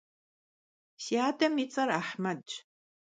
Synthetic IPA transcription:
siaːdɐmit͡sʼɐraħmɐd

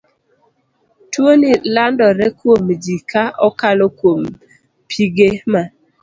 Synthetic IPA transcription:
twonilandɔɾɛkwomd͡ʒikaʔɔkalokwom | pʰiɡema

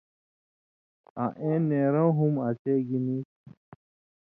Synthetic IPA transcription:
aʔẽːneːɾõwɦumat͡ɕeːɡinit

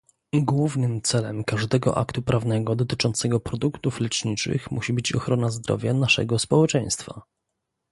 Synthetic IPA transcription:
iɡwuvnɘmt̪sɛlɛmkaʐd̪ɛɡɔ̰ʔa̰kt̪upɾavnɛɡɔd̪ɔt̪ɘt͡ʂɔnt̪sɛɡɔpɾɔd̪ukt̪uflɛt͡ʂɲit͡ʂɘ̰xmuɕibɘt͡ɕɔxɾɔnazd̪ɾɔ̰vʲjanaʂɛ̰ɡɔspɔwɛt͡ʂɛj̃st̪fa

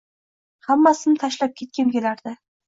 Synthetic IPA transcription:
hamːasɪnɪt̪ʰaʃlap̚kʲʰe̞t̪̚kʲankʲe̞laɾd̪ɪ

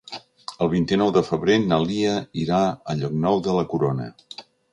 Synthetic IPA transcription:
əlˠβ̞int̪inɔwðəfəβɾenəliəiɾaəʎɔk̚nɔwðələkuɾonə̰

